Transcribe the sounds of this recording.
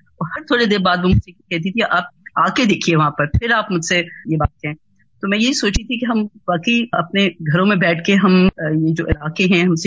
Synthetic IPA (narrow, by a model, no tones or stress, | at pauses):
ɔːɾhɐɾt̪ʰoːɽed̪eːɾbaːd̪ʋomʊd͡ʒsekɛɦt̪̬it̪ʰiʔaːp̚aːked̪eːkʰieʋɐɦãpɐɾpʰɪɾaːpmʊd͡ʒsejebaːt̪̚kɐɾẽː | t̪omɛ̃ːjeɦisoːt͡ʃit̪ʰikeɦɐmʋaːkəiɐpneɡʱɐɾõmẽbɛːʈʰkeɦɐmjed͡ʒoːʔɪlaːqeɦɛ̃ɦɐmse